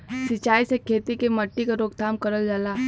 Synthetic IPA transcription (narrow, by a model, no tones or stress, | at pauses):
sɪt͡ʃaːisekʰeːt̪ikemɐʈːikaɾoːɡ̚t̪ʰaːmkɐɾəld͡ʒaːlaː